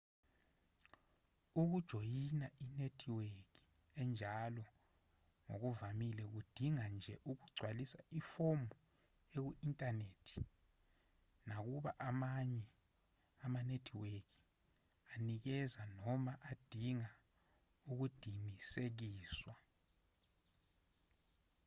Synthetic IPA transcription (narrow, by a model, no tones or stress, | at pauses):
uk̬ud̥ʒ̥ʱojinaʔinetʰiweki̥ | ɛnd͡ʒʱalɔ | ŋo̰k̬uvamilɛk̬ud̥ʱiŋand͡ʒʱɛ̰ʔuk̬uɡ͡ǀʱwalisa̰ifombʱu | ek̬uʔintʼaneːtʰi̥ | nak̬uɓa̰ʔamaɲɛ | amanetʰiwek̬i | anik̬ɛzanɔmaʔad̥ʱiŋa | uk̬ud̥ʱimisek̬iːswa